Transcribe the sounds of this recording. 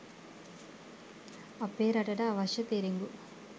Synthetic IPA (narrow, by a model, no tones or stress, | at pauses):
ɐpːeːɾɐʈɐʈɐʋɐʃɐt̪eːɾiŋɡu